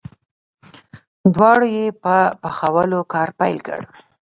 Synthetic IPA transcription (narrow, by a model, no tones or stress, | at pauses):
d̪wɑɽojepəpaxawəlokɑɾpajlkə̰ɽwi